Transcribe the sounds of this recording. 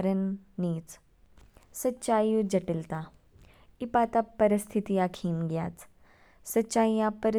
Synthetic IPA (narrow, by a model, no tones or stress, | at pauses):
ɾənːiːt͡s | sɐtːɕaːjud͡ʒɐʈilt̪a | ipaːt̪apɐɾɪst̪ʰit̪ijãkʰiːnɡjaːt͡s | sɐtːʃaːijãpəɾɪ